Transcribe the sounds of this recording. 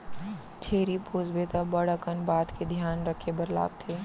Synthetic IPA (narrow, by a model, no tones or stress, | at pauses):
t͡ʃʰeːɾipoːzbeːt̪abəɽəkənbaːt̪ked̪ʱjaːnɾəkʰːebəɾla̰ːk̚t̪ʰeː